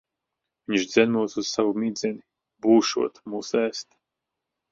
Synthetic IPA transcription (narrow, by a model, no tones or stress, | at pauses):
viɲʃd̪zɛnuɔt̪uz̥savumiːd̪zʲɛni | buːʃṵɔt̪muːsæːst̪